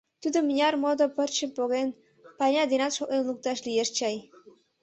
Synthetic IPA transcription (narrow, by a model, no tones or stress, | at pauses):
t̪ud̪omɲʲɑrmod̪opərt͡ɕə̆poɣen | pɑnʲɑd̪enɑt̪ʃoʔenluk̚t̪ɑʃlijeʃt͡ɕɑj